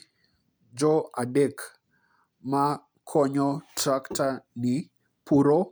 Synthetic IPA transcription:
d͡ʒɔadek | ma | kʰɔɲɔtɾaktanɪ | pʰuɾo

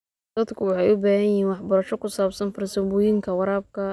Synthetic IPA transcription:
d̪̥ɐd̪kʰʊwɑħɑjʊbaːhɐjɪhiːnwɑħbɐɾɐʃɔkʰʊsaːbsɐnfɐrsɪbʊːjɪŋkʰɐwɑɾaːb̚kʰɐ

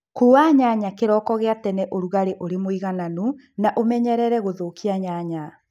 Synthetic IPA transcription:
kuɾwaɲaɲakeɾɔːkɔɣeatɛnɛʔoɾuɣaɾeʔoɾemoiɣananu | naʔomɛɲɛɾɛɾɛɣoðokiaɲaɲa

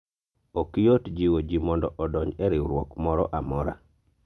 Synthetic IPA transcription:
okijotd͡ʒiwod͡ʒimɔndɔʔɔdɔɲɛɾɪwɾwɔkmɔɾɔ̰ʔamɔɾa̰

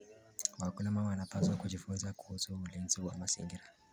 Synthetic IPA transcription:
wakulamamaanapazwakud͡ʒifunzaku̥husuːlinziwa̰maz̥ḭŋɡiɾa

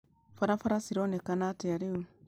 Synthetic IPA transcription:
faɾafaɾasiɾonekanateaɾiu

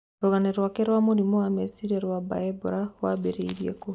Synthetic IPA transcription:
ɾuɣaneɾwakeɾwamuɾimowamesiɾeɾwaba̰ebuɾawabeɾeiɾjḛko

